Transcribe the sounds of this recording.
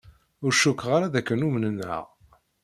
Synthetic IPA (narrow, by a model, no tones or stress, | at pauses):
ʊɾʃukːʁaɾaðækːənumnənə̰ʁ